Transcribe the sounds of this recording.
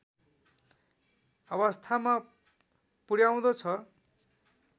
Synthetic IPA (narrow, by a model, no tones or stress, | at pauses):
ʌβʌst̪ʰama | puɽjaw̃d̪ʌt͡sʰʌ